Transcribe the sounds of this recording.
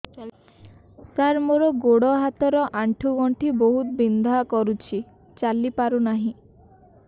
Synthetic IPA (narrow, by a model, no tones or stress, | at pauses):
saɾmoɾɔɡoɽɔɦat̪ɔɾɔʔaɳʈʰuɡɔɳʈʰiboɦut̪bind̪ʱakɔɾut͡ʃʰi | t͡ʃalipaɾunaɦĩ